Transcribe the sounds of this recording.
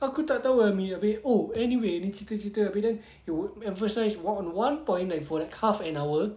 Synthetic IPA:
akutadawɛmiəbɪt̚oɛniweɛnit͡ʃʰitət͡ʃitəəbidɛ̃n | iwud̚ɛ̃ɱfəsaɪswɔtɔ̃nwãnpɔ̃ɪ̃ndɛt̚fɔlɛkhafɛ̃naʊə

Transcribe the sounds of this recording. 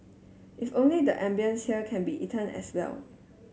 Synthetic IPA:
ʔɪfõnlidəʔɛ̃mbiə̃nshiəkʰɛ̃nbiʔitʰə̃nɛ̰swɛ̰l

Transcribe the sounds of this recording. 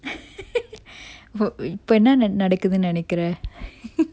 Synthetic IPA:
ɪpːoːɛnːɐnnɐɽɐkːɯðɯnɪnɛkːɪɾɛ̃

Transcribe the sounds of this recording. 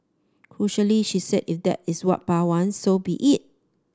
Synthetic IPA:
kʰɹuʃəliʃisɛdifdɛ̰tɪswɔt̚pawãnsːobiʔit̚

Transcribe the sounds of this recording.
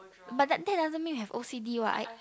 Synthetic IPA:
bat̚dɛt̚dɛdazə̃nmĩmhɛvosidiwa̰ʔa̰

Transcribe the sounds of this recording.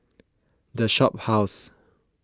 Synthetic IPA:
dəʃɔp̚haʊs

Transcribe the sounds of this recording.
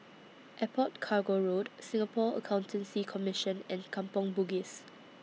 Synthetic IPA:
ʔɛpʰɔt̚kʰaɡoɹodsɪ̃ŋapʰɔə̰kʰãw̃ntʰə̃nsikʰɔmɪʃə̃nɛ̃nkʰãmpɔ̃ŋbuɡis

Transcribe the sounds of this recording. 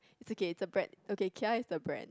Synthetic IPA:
ɪtsokeɪtsəbɹɛ̰̃nokekʰaɪtsəbɹɛ̰̃n

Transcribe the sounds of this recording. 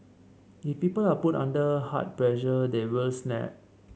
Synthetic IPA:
ifpiːpəlaputã̰ndəha̰t̚pɹɛʒədewilsnɛ̰p̚

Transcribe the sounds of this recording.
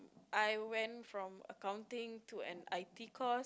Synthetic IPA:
ʔajwɛ̃nfɹɔ̃mə̰kãw̃ntɪ̃ŋtʰuɛ̰̃najtikʰɔ

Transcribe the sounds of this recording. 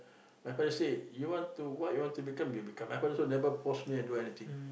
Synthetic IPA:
majfadəsedjuwɔ̃ntuwɔʔjuwɔ̃ntubikãmjubikãmãjfadəsonɛvəpɔsmĩɛ̃nduɛnit̪ĩŋ

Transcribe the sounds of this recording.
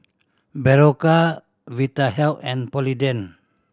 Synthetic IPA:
bɛɾoka | vit̪aɦɛlɛ̃npɔlidɛn

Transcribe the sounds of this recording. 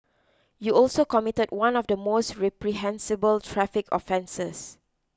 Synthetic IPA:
juɔlsokɔmitəd̚wãnɔfdəmostɹɛpɹiɦɛ̃nsibəltʰɹɛfɪkɔ̰fɛ̃nsəs

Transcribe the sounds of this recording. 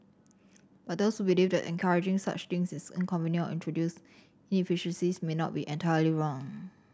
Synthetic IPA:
b̥at̚doshubilivdɛ̰tɛ̰̃nkʰaɹid͡ʒɪ̃ŋsa̰t͡ʃt̪ɪ̃ŋsɪsə̰̃nkʰɔ̃mvĩnitḭ̃ntʰɹodjus | ĩnifiʃə̃nsismenɔ̰t̚biʔɛ̃ntʰajəliɹɔ̃ŋ

